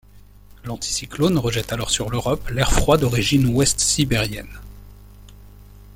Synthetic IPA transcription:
lɑ̃t̪ʰi̥siklonʁəʒɛt̪alɔʁsyʁløʁɔplɛʁfχwad̪ɔʁiʒinwɛst̪sibɛʁjɛn

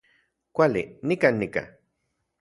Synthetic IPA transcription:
kʷalḭnikanːika̰

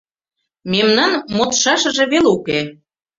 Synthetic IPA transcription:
memnɑnmot̪ʃɑʃɤ̆ʒĕβeluke

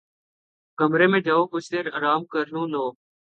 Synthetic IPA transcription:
kəmɾeːmẽːʈ̪əːʋoːkʊt͡ʃt̪eːɾəɾaːmkəɾnũːnoː

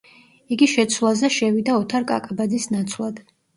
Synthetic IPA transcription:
iɡiʃɛt̪sʰwlˠazɛʃɛvid̪aɔt̪ʰaɾkʼa̰kʼabad̪zisnat̪sʰwlˠad̪̥

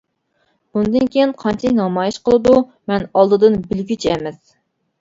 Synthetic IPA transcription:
b̥und̪ɨnkʲejɪnqʰɑnt͡ʃʰɛkʲnɑmɑːjiʃqəlˠɨd̪umɛnɑlˠd̪ɨd̪ɨnbɪlɡʲyt͡ʃʰɛmɛs

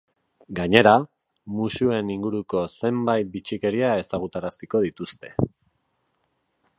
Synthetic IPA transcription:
ɡaɲe̞ɾa | musue̞niŋɡuɾuko̞se̞mbajt̪̚bit͡ʃike̞ɾiae̞saɣ̞ut̪aɾasiko̞ðit̪ust̪e̞̥

